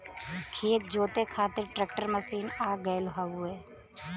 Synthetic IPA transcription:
kʰeːt̪̚d͡ʒoːt̪ekʰaːt̪ɪɾʈɾeːk̚ʈəɾməsiːnaːɡəelʊɦaːueː

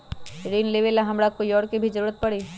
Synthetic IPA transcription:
ɾiːnleʋelaɦɐmɾakoiɔːɾkibʱid͡ʒəɾuːɾət̪̚pɐɽiː

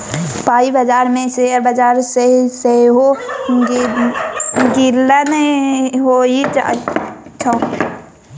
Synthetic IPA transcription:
paːibəd͡ʒaːɾmẽseɾbəd͡ʒaːɾseiseɦo | ɡilːaneɦoid͡ʒa̰it͡ʃʰa

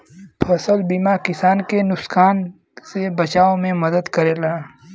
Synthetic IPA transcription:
pʰɐsəlbiːmakɪsaːnkenʊsxaːn | sebɐt͡ʃaːõmẽmɐd̪əd̪kɐɾeːlaː

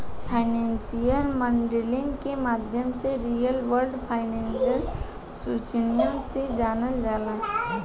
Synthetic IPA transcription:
pʰaːɪnẽːnsijəlmə̃ɳɖelɪ̃ŋɡkemaːd̪ʱjəmseɾijəlʋəɾɖpʰaːɪnẽːnʃəl | suːt͡ʃənijə̃nsed͡ʒaːnəld͡ʒaːla

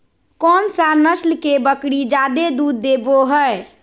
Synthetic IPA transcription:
kɔnsanəslkebəkɽid͡ʒad̪ed̪ud̪ːeboɦəe

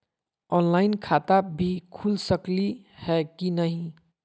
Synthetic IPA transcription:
ɔnlaɪnkʰat̪abʱikʰulsəkli | hɛkinəɦĩ

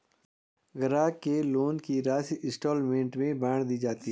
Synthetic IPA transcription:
ɡəɾaːkeloːnkiɾaːsiʔɪsʈoːlmẽːɳʈmẽbaːɽ̃d̪iːd͡ʒaːt̪i

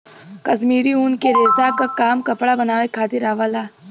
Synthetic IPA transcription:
kɐsmiːɾiuːnkeɾeːzakakaːmkɐpɽabɐnaːʋekʰaːt̪ɪɾaːʋaːlaː

